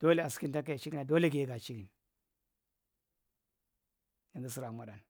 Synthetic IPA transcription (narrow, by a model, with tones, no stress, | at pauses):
d̥o˦le˦a˨ski˦nta˦k̬a˦a˨t͡ʃi˦ɡi˦na˨do˦le˦ɡe˨˦ɡa˨t͡ʃi˦ɡi˨n˨ | ji˨ŋɡi˦s̬i˦ɾa˨ma˨ɗa˨n